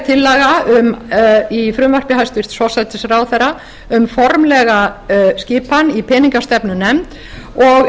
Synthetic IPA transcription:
t̪ʰɪlːɛɣaʏmifɾʏmvar̥pɪhajst̪vɪr̥t̪svɔsajt̪ɪsraːwθɛɾa | ʏmfɔɾmlɛɣascɪːpanipʰɛːniŋkast̪ɛpnʏnɛmt̪ | ɔɣ

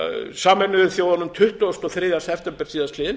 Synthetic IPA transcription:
saːmɛnːʏðʏθjowðanʏmt̪ʰʏht̪uast̪ɔθɾɪːðjasɛpʰt̪ɛmpɛɾ̥siːðaslɪːðɪn

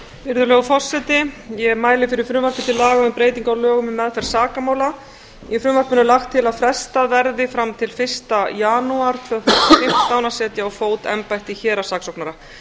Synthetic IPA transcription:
vɪɾðʏɾlɛːɣʏfɔrsɛt̪ɪjɛmaːjlɪfɪɾɪɾ̥fɾʏːmar̥pɪ̥t̪ʰɪlːaːɣaɪpɾeːjt̪iŋkawlœːɣʏmɪmɛðfɛɾ̥saːkamaːwla | jɛfɾʏːmvaɾ̥pɪnʏlaxt̪ʰːɪlaðfɾɛst̪aðvɛɾðɪfɾamt̪ʰɪlfɪr̥st̪ajaːnuaɾ̥t̪ʰvœθfɪm̥t̪st̪aːwnasɛːt̪jaːawfoːwt̪ɛ̰mpajht̪ɪçɛːɾasaksɔwknaɾa

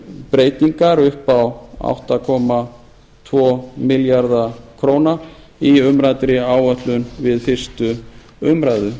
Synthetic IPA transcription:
pɾeːjt̪iŋkaɾʏhpawa̰wht̪akʰɔma | t̪ʰvɔːmɪljaɾðakʰɾoːwna | iʏmɾat̪ɾɪaːwœht̪lʏnvɪðfɪr̥st̪ʏ | ʏmɾajðʏ

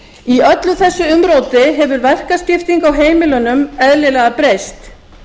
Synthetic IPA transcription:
iœt̪lʏθɛsːʏʏmɾoːwt̪ɪɦɛvʏɾvɛr̥kascɪft̪iŋkawɦeːjmɪlʏnʏmɛðlɪlɛɣapɾejst̪

